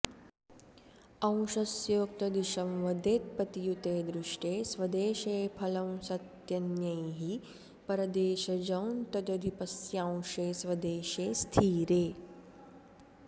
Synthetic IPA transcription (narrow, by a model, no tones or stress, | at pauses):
ɐ̃w̃ʃɐsjoːkt̪ɐd̪iʃɐmʋɐd̪eːt̪̚pɐt̪ijut̪eːd̪ɾɪʂʈeːsʋɐd̪eːʃeːpʰɐlɐ̃w̃sɐt̪jɐnjɐjɦi | pɐɾɐd̪eːʃɐd͡ʒɐwnt̪ɐd͡ʒ̪ɐd̪ʱipɐsjãːw̃ʂeːsʋɐd̪eːʃeːst̪ʰiːɾeː